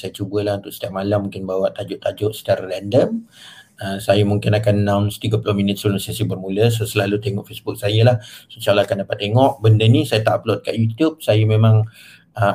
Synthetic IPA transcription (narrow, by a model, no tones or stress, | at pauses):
sajat͡ʃubəlahunt̪ʊk̚sət̪iap̚ʔ̚malamːũŋkɪnbawaʔt̪ad͡ʒʊʔt̪ad͡ʒʊʔsə̥t͡ʃaɾalɛndəm | əsajamuŋkɪnakanːãwnsə̥t̪iɡəpulʊhminɪt̪̚səulʊsasibərmũləsosəlalut̪eŋɔ̰ʔfesbʊk̚sajəlahsət͡ʃalakandapat̪ːeŋɔʔbəndənisajat̪aʔaplɔt̪̚kaʔjut̪jub̚sajamemaŋ | ə